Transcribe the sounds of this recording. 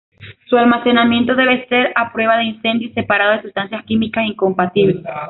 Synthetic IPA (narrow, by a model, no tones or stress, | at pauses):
sualmase̞namje̞nt̪o̞ðe̞βese̞ɾapɾwe̞βaðeinse̞nd̪jose̞paɾaðo̞ð̞esust̪ansjaskimikasiŋko̞mpat̪iβles